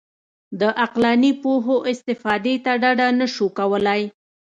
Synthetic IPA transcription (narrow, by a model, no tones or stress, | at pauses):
d̪əʔaqlɑnipoɦoʔɪst̪ɪfɑd̪et̪aɖaɖanəʃokawəlaj